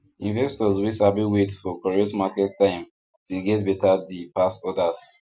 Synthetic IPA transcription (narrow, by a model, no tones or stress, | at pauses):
ĩnvɛstɔzwisabiwetfɔkɔɹetmakɛttãɪ̃m | tuɡɛtbɛtadipasɔdas